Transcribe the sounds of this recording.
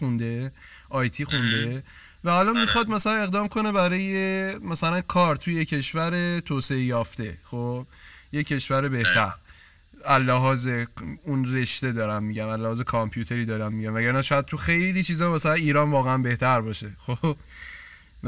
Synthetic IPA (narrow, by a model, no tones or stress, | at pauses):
xund̪e̞ | ʔɒjt̪ʰiːxund̪e̞ | væːlɒnmixɒd̪̚mæsælæne̞ɣd̪ɒːmkʰo̞ne̞bæɾɒːjemæsælænkʰɒːɾt̪ʰujecʰe̞ʃvæɾe̞t̪ʰoːseejɒːft̪e̞̰xob̥je̞cʰe̞ʃvæɾe̞be̞ht̪ʰæɾ | ælːæɦɒːze̞unre̞ʃt̪e̞d̪ɒːɾæmːiɟæmælːæhɒːze̞kʰɒmpʰjuːt̪ʰe̞ɾiːd̪ɒːɾæmmiɟæmvæɟæɾnæʃɒːjæd̪̚t̪ʰuxejlit͡ʃʰiːzɒːmæsælæniːɾɒːnvɒːɣeænbe̞ht̪ʰæɾbɒːʃe̞xob